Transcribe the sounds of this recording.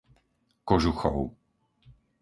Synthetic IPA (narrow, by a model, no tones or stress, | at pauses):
kɔʒuxɔ̰ʊ